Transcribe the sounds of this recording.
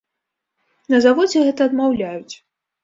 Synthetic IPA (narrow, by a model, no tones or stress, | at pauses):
nɐzavɔd͡zʲɛɣɛt̪ɐːd̪mawlʲajut͡sʲ